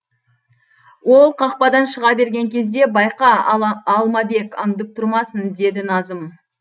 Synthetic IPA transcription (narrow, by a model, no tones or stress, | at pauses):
wo̞lˠqʰɑq̚pɑd̪ɑnʃəʁɑbe̞ɾɡʲe̞ŋkʲʰe̞zd̪e̞bɑjqɑːlˠmɑbe̞kɑɴd̪əp̚t̪ʰʊɾmɑsənd̪e̞d̪ɪnɑzəm